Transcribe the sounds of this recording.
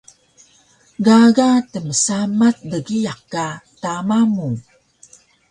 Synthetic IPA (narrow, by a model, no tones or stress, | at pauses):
ɡaɡatəməsamat̚dəɡijakːatamamu